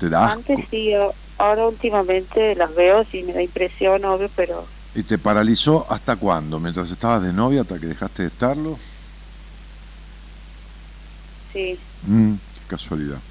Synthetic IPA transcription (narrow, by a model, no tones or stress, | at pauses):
t̪eðaant̪esia | aoɾault̪imamẽnt̪elazβeosimeðaimpɾesjonoβjopeɾo̰ | it̪e̞paɾaliso̞ʔast̪akwa̰nd̪o̞mjent̪ɾase̞st̪aβazðe̞no̞βjat̪ake̞ðexast̪eest̪aɾlo̞ | si | kaswaliða̰